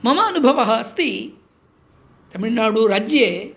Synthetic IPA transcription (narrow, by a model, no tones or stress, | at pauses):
mɐmaːɐnubʱɐʋɐɦɐɐst̪i | t̪ɐmiɭnaːɽuɾaːd͡ʒjeː